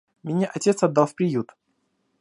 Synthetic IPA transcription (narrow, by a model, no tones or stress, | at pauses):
mʲɪnʲeʔɐtʲe̞t̪sɐd̪ːalˠfpɾʲɪjut̪